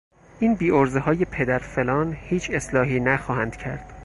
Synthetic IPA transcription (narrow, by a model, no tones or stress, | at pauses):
ʔiːnbiːoɾzehɒːje̞pʰe̞d̪æɾfe̞lɒːnhiːt͡ʃʰe̞slɒːɦiːnæxɒːhænd̪̥cʰæɾd̪̥